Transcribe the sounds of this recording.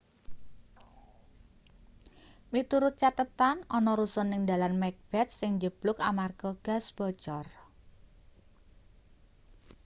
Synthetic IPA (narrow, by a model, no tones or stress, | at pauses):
mit̪uɾʊt̪̚t͡ʃat̪ət̪anɔnɔɾusɔnːɪŋd̪alanmɛk̚b̥ɛt̪̚sɪŋd͡ʒəb̥lʊkamarɡ̥ɔɡ̥a̤sb̥ɔ̤̥t͡ʃɔr